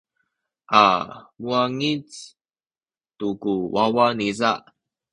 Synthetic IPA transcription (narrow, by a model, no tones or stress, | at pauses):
ʔa̰muaŋit͡s | tukuwawanizaʔ